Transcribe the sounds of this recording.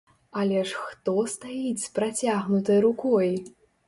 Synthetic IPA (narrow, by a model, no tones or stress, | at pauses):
ɐlʲɛʂxt̪ɔst̪ajit͡sʲpɾat͡sʲaɣnut̪ɐjɾukɔj